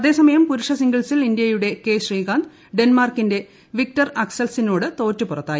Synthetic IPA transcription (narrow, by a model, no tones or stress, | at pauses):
ɐðe̞ːsɐmɐjɐmpuɾuʂɐsiŋɡiɭsilindijɐjuɽe̞ke̞ːɕriːɡaːnd̪ | ɖenmaːrkːinde̞ | ʋik̚tɐrɐksɐlsino̞ːɽɨt̪o̞ːtːupurɐt̪ːaːj